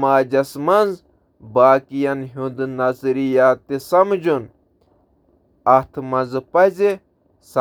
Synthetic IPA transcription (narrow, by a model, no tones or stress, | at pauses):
maːd͡ʒɐsmɐnz | baːkijɐnɦund̪nɐzɾijaːt̪isɐmd͡ʒun | ɐt̪ʰmɐnzɨpɐze | s